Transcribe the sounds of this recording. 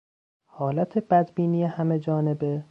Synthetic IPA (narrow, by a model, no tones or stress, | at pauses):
hɒːlæt̪ʰe̞bæd̪biːniːjehæme̞d͡ʒɒːne̞be̞